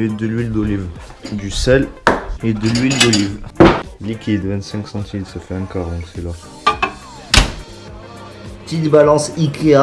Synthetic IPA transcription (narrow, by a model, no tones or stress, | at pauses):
id̪əlɥild̪ɔlivd̪ysɛled̪əlɥild̪ɔlivlikʲid̪vɛ̃t̪sɛ̃ŋksɑ̃t̪ʰid̪safɛɛ̃kaʁɔ̃sɛla | pt̪it̪balɑ̃sikea